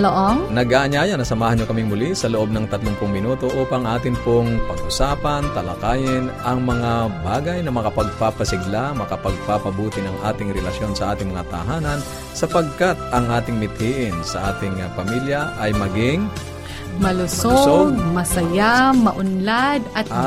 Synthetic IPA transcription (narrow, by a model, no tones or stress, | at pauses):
loʔoŋnɐɡaʔɐɲaːjɐnɐsɐmaːhɐnɲokɐmɪŋmʊlisɐloʔo̞b̚nɐŋt̪ɐt̪loŋpʊŋmɪnuːt̪o̞ʔuːpɐŋʔaːt̪ɪŋpoŋpɐɡʔʊsaːpɐnt̪ɐlɐ̰kaːjɪnʔɐŋmɐŋabaːɡɐjnɐmɐkɐpɐɡ̚papɐsɪɡlamɐkɐpɐɡ̚papɐbuːt̪ɪnɐŋʔaːt̪ɪŋɾɛlɐsjo̞nsɐʔaːt̪ɪŋmɐŋat̪ɐ̰ɦaːnɐn | sɐpɐɡ̚kat̪̚ʔɐŋʔaːt̪ɪŋmɪt̪̚hiːʔɪnsɐʔaːt̪ɪŋpɐmiljɐʔɐjmɐɡɪŋ | mɐlʊsosɡ̪̚mɐsɐjamɐʔʊnlad̪ɐt̪